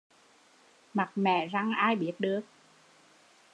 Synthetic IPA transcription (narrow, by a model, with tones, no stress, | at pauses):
ma˨˩t̚mɛ̰˧˨za˧ŋʔaː˧jɓi˦˥ət̚ɗɨ˨˩ək̚